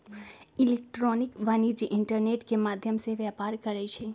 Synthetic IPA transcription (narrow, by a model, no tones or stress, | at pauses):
ilek̚ʈɾonikʋanid͡ʒiʔɪɳʈəɾneʈkemad̪ʱjəmseʋjapaɾkəɾɛt͡ʃʰɛ